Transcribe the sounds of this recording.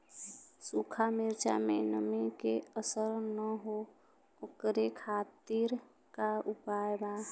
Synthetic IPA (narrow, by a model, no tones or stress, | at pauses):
sukʰamɪɾt͡ʃa̰mḛnəmikeəsəɾnəɦo | oːkɾekʰaːt̪iɾ | kaupajba